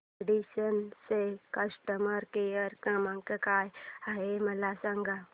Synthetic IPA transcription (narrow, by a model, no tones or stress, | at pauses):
ɽiɕənsekəsʈəməɾkejəɾkə̃mãŋkekajaɦeməlasaŋɡa